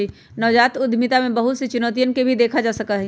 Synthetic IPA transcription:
i | nɔːd͡ʒaːt̪ʊd̪ʱmɪt̪amẽbɐɦʊt̪set͡ʃʊnɔːt̪̬ijənkebʱid̪eːkʰad͡ʒaːsɐkaɦɛ

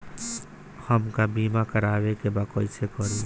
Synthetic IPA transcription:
həmkabiːmakɐɾaːwekebakoːisekəɾũ

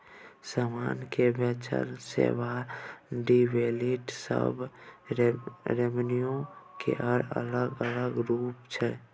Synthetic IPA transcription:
samaːnkebət͡ʃʰə̰lsḛʋaɖiweːliʈsə̰b | ɾemnijõkḛʔəɾə̰ləɡələɡɾuːpt͡ʃʰɛ

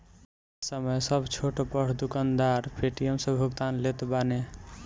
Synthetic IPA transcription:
səməjsəbʱt͡ʃʰoʈopəɽ̤d̪ukənd̪aɾpʰeʈijəmsəbbʱukt̪anlet̪bane

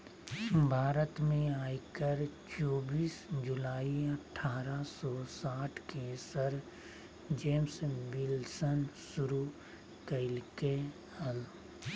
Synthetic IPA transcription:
bʱaːɾət̪mẽaːikəɾt͡ʃɔːbiːsd͡ʒʊlaːiəʈʰːaːɾəsɔːsaːʈʰkesəɾ | d͡ʒeːmsbɪlsənsʊɾu | kəɪlke | həl

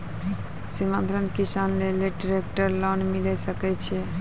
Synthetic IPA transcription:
simə̃nd̪ɾənkisanleleɖiɾek̚ʈəɾlɔnmilɛsəkɛt͡ʃʰɛ

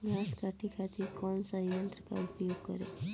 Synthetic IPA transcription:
ɡaskaʈʰikʰat͡ʃikɔnsʌjʌnt̪ɾəka̰upjoɡkʌɾḛ

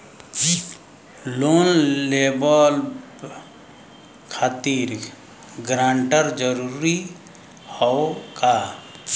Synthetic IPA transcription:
d͡ʒi | loːnlebəl | kʰaːt̪iɾ | ɡɾãːɳʈəɾd͡ʒəɾuɾi | hɔwka

